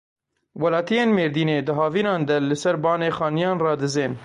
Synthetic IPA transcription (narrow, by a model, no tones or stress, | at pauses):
wɐlɑːt̪ijeːnmeːɾd̪iːneːd̪ɨɦɑːviːnɑːnd̪ɛlɨsɛɾbɑːneːxɑːnijɑːnrɑːd̪ɨzeːn